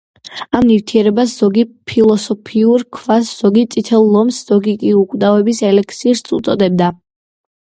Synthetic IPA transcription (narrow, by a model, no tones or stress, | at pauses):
amnift̪ʰiɛɾɛbasz̥ɔɡipʰilˠɔsɔpʰiuɾkʰvasz̥ɔɡit̪sʼit̪ʰɛlˠːɔmsz̥ɔɡikʼiukʼwd̪avɛbisɛlɛk̚ʰt̪sʰiːɾt̪sṵt̪sʼɔd̪ɛb̚d̪a